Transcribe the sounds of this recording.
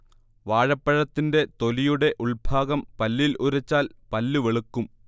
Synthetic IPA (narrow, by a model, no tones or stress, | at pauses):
ʋaːɻɐpːɐɻɐt̪ːinde̞t̪o̞lijuɽe̞ʔuɭbʱaːɡɐmpɐlːiluɾɐt͡ɕːaːlpɐlːuʋeɭukːum